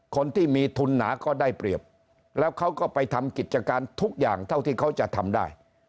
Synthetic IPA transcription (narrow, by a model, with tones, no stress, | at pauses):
kʰo˧nt̪ʰiː˥˩miː˧t̪ʰu˧nːa̰ː˩˦kɔː˥˩daː˥˩jpɾi˨˩əp̚ | lɛː˦˥wkʰa˦˥wkɔː˥˩pa˧jt̪ʰa˧mki˨˩t̪̚t͡ɕa˧kaː˧nt̪ʰu˦˥k̚jaː˨˩ŋt̪ʰa˥˩wt̪ʰiː˥˩kʰa˦˥wt͡ɕa˨˩t̪ʰa˧mdaː˥˩j